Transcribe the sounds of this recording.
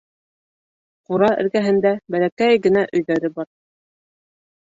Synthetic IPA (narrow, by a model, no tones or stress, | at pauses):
quɾɑʔɘ̰̆ɾɡæɦɘ̆nd̪æbælækæjɡɘ̆næʔɵ̆jðæɾɘbɑɾ